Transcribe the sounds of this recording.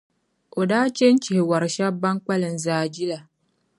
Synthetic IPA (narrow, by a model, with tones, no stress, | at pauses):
ʔo˨daː˦t͡ʃe˦n˦t͡ʃɪ˨hɪ˨wa˨ɾʃa˦ba˦ŋk͡pa˦lɨ˨n̩˨zaː˦˨d͡ʒi˦la˨